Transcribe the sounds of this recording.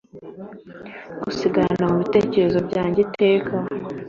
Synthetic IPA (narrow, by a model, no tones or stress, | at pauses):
ɡ̥usiɡaɾanamuβite̞ːce̞ɾe̞zo̞bɟaːɲɟitʰe̞kʰa